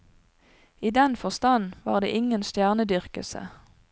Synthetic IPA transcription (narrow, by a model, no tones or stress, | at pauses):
iːd̪ɛnfɔʁst̪ɑnʋɑːʁd̪ḛːʔɪŋənst̪jæːʁnəd̪ʏʁkəsə̰